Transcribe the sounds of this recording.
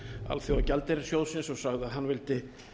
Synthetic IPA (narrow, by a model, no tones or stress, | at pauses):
a̰lθjowacɛlt̪eɾɪ̥sjowðsɪnsɔɣsaɣðɪaðɦanːvɪlt̪ɪ